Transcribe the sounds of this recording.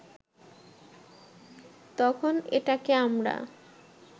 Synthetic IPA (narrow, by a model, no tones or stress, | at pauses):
t̪ɔkʰoneʈakeamɾa̰